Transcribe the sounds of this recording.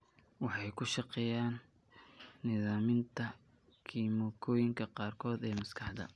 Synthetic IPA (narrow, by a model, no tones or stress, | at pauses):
wɑħɑjkʰʊʃɑqɛjaːnː | ɪðaːmɪnt̪ʰɐ | kʰiːmɔːkʰɔːjɪŋkʰɐqɑːrkʰɔːd̪ɛːmɐskʰɑħd̪ɐ̰